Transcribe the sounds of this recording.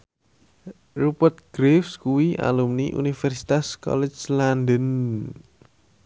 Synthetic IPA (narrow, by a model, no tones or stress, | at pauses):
rupət̪̚ɡ̥ɾefskuwia̰lumniʔṵnifɛrsi̥t̪askɔ̰lɛ̥d͡ʒlandən